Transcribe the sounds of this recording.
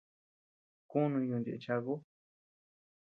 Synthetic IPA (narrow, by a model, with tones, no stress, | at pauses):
ku˦nũ˧ɲũ˧ndḛ˧ʔe˧t͡ʃa˧ɣo˦